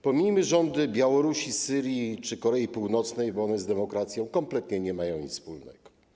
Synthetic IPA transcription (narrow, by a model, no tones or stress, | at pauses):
pɔmʲiɲmɘʐɔnd̪ɘbʲjawɔɾuɕisɘɾʲjit͡ʂɘkɔɾɛipuwnɔt̪snɛjbɔɔnɛzd̪ɛmɔkɾat̪sʲjɔ̃w̃kɔmplɛt̪ɲɛɲɛmajɔ̃w̃ɲʲḭt̪spulnɛ̰ɡ̥ɔ̥